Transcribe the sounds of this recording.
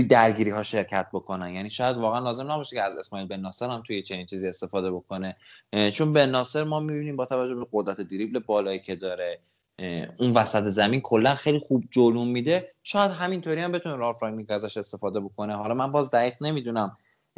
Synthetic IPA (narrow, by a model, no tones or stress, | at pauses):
t̪ud̪æɾɟiːɾiːɦɒːʃe̞ɾcʰæt̪̚ʰbo̞kʰo̞nænjæniːʃɒːjæd̪vɒːɣeænlɒːze̞mnæbɒːʃeceæze̞smɒːiːlbenːɒːse̞ɾhæmt̪ʰujet͡ʃʰe̞niːnt͡ʃʰiːzie̞st̪e̞fɒːd̪e̞bo̞kʰo̞ne̞t͡ʃʰo̞nbe̞nːɒːse̞ɾmɒːmibiniːmbɒːt̪ʰævæd͡ʒːobeɢod̪ɾæt̪ʰed̪iɾiblebɒːlɒːicʰe̞d̪ɒːɾe | unvæsæt̪ʰezæminkʰo̞lːænxejlixuːb̚d͡ʒolumːiːd̪eʃɒːjæd̪̥ɦæmint̪ʰoːɾiæmbe̞t̪ʰuneɾɒːfɾɑŋnikʰæzæʃe̞st̪e̞fɒːd̪e̞bo̞kʰo̞ne̞ɦɒlɒːmænbɒːzd̪æɡiɣne̞miːd̪unæm